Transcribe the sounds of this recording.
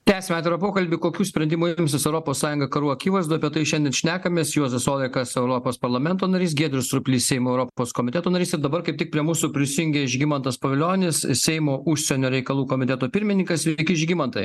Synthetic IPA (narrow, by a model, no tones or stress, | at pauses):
t̪ʲæːsʲemʲæːt̪ʲeɾɐpoːkɐlʲbʲɪkoːkʲuːsʲpʲɾʲɛnd̪ʲɪmuːmʲs̬ʲɪsɛʊɾopoːssɑːjʊŋɡɐkɐɾuːɐkʲiːʋɐɪzd̪oːɐpʲiɛt̪ɐɪʃʲɛnd̪ʲɛnʃʲnʲæːkɐmʲeːsjoːzʲɛsoːd̪ʲɐɪkɐsɛʊɾopoːspɐɾlˠɐmʲɛnt̪oːnɐɾʲiːs̬ɡʲeɛd̪ʲɾʲɪst̪ɾʊpʲlʲiːssʲɛɪmoɛʊɾopoːskoːmʲɪt̪ʲɛt̪oːnɐɾʲiːsɪɾd̪ɐbɐɾkɐɪp̚t̪ʲɪk̚pʲɾʲiɛmuːsupʲɾʲɪsʲɪjʊŋʲɡʲɛɪʒʲɡʲɪmɐnt̪ɐspɐʋʲɪlʲoːnʲɪssʲɛɪmoːʔʊʃʲsʲɛnʲoːɾʲɛɪkɐlˠuːkoːmʲɪt̪ʲɛt̪oːpʲɪɾʲmʲɪnʲɪŋkɐsʋʲɪkʲɪɪʒʲɡʲɪmɐnt̪ɐɪ